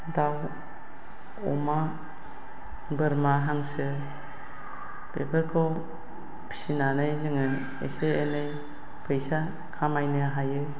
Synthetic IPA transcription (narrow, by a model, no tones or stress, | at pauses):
daw | ɔ̰ma | bɯɾmaɦaŋsɯ | pepʰəɾkʰɯw | pʰi̥sinanɯjzɯŋɯ | eseenɯj | pʰɯjsa | kʰamajnɯɦajɯ